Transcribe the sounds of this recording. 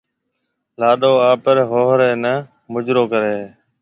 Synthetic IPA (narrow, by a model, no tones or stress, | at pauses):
laːɗoːaːpəɾɦoːɦɾeːnə | mʊd͡ʒɾoːkəɾeː